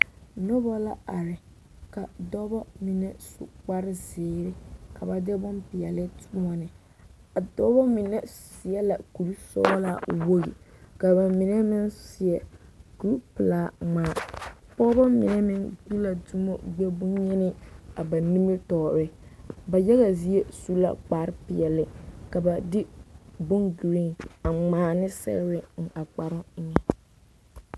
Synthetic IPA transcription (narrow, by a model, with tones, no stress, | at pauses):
nɔ˦bɔ˦la˦a˨ɾɪ˨ | ka˨dɔ˦bɔ˦mi˨nɛ˦sʊ̰˨k͡pa˦ɾɪ˦zɪː˨ɾɪ˦ka˨ba˨dɪ˦bʊ˦mpɪ˨ɛ˨lɪ˦tʰʊ˦a˨nɪ˨ | a˨dɔ˦bɔ˦mɪ˨nɛ˦˨sɪ˨ɛ˦la˨ku˨ɾi˦sɔ̰˦la˦˨wo˦ɣḭ˨ka˨ba˨mɪ˨nɛ˦mɪ˦nsɪ˨ɛ˨ku˨ɾu˦pɪ˨laː˦ŋ͡maː˨˦pɔ˦ba˦mɪ˨nɛ˦mɪ˦ŋɡu˦la˨du˦mo˦ɡ͡bɛ˦bʊ˦ɲɛ˦nɪ˦a˨ba˨ni˦mi˦tɔː˨ɾɪ˦ba˨jɛ˦ɣa˨zi˦e˦su˦la̰˦k͡paː˨˦ɾɪ˦pɪ˨ɛ˨lɪ˨ka˨ba˨dɪ˦bʊ˦ŋɡi˨ɾi˦ŋa˨ŋ͡maː˨˦nɪ˦sɛ̰˦ɾɪ˦bɪ˦ŋ̩˨ʔa˨k͡pa˨ɾɪ˦ɲɛ˨